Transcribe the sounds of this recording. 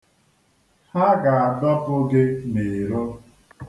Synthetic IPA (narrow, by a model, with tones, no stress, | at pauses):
ha˦ɡa˨a˨dɔ˦pʊ˦ɡɪ˦ne˨ɾo˦